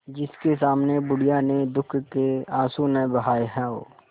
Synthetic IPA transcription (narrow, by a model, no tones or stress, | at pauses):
d͡ʒɪskesaːmnebʊɽijaned̪ʊkʰkeaːsunebɐɦaːeɦɛ̃o̰ː